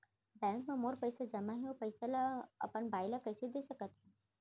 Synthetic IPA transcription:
bɛ̃ːŋkmẽmoɾpəjsad͡ʒɐmaɦɛ̃opəɪsalaɐ̰pəɳbaːjlakəjsed̪esəkət̪ɦẽ

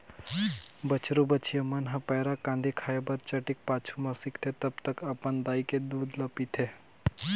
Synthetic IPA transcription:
bət͡ʃɾubət͡ʃʰijəmənɦãpɛːɾakãːnd̪ʱikʰaːjebəɾt͡ʃəʈik̚paːt͡ʃʰumasɪkt̪ʰet̪əbt̪əkəpənd̪aːiked̪uːd̪ləpit̪ʰe

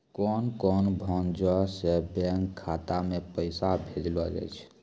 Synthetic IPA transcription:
kɔnkɔnbʱɔnd͡ʒɔsebɛŋkʰːat̪amepəɪsabʱed̪lɔd͡ʒɛ̰t͡ʃʰ

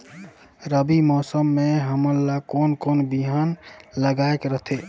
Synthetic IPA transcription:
ɾəbimɔːsəmːeɦəməɾlːakonkonbiɦanləɡaekɾəɦt̪ʰe

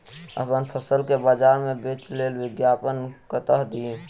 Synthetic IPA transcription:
ə̰pənpʰəsəlkebad͡ʒaɾmebet͡ʃlelwɪɡjapənkət̪əɦd̪i

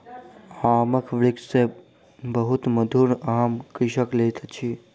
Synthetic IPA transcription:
aməkʰʋɭikse | bəɦut̪məd̪ʱuɾaɦamkɾiʃəklet̪ʰt͡ʃʰi

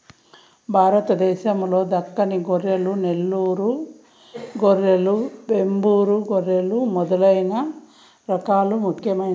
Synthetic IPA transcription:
bʱaːɾɐt̪ɐd̪ɛːʃɐmlo̞ːd̪ɐkːɐniɡoɾelunelːuːɾu | ɡoɾelubembuːɾuɡoɾːelumɔd̪ɐlɐjnɐ | ɾɐkaːlumukʰjɐmɐ

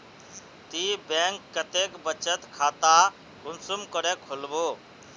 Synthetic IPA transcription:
t̪ibeŋkːət̪ekbət͡ʃət̪kʰat̪a | ɾunsumkəɾekʰolbo

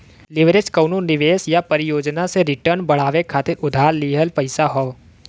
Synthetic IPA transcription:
lɪʋɾed͡ʒkəːnonɪʋeːsjapɐɾɪjoːd͡ʒnaseɾɪʈəɾnbɐɽ̤aːʋekʰaːt̪ɪɾʊd̪ʱaːɾliːɦəlpɐɪsaɦoː

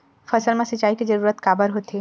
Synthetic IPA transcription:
fɐsəlmẽsɐt͡ʃːaːikizɐɾuːɾət̪kaːbəɾɦoːt̪eː

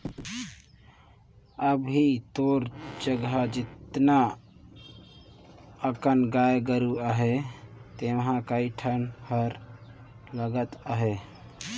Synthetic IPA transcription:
əbit̪oɾd͡ʒəɡɦad͡ʒɪt̪na | əkənɡajeɡəɾuaɦet̪emɦãkaiʈʰənhəɾ | ləɡət̪aɦe

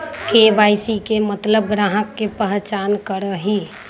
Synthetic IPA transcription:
kebajsikemət̪ləb̚ɡɾaɦəkːepəɦt͡ʃankəɾəɦi

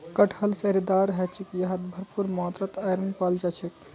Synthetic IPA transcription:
kəʈʰəlseɾid̪aɾɦɛt͡ʃʰikjɐɦɐt̪bʱəɾpuɾmɔːt̪ɾət̪ɐjɾənpald͡ʒɐt͡ʃʰik

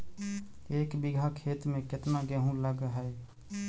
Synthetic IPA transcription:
eːkbiɡʱakʰet̪mẽket̪naɡeɦũləɡɦəj

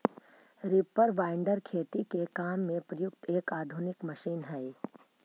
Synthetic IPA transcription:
ɾɪpːəɾʋaːɪɳɖəɾkʰeːt̪ikekaːmːẽpɾəjʊk̚t̪eːkaːd̪ʱʊnɪkmɐʃiːnɦɛː

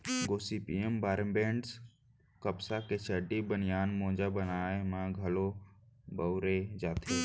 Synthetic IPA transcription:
ɡoːsipiembaːɾmbeːɳɖs | kəpsaket͡ʃʰəɖibənɪjaːnmõːd͡ʒabənaːemãɡʱəlobəʊɾed͡ʒaːt̪ʰe

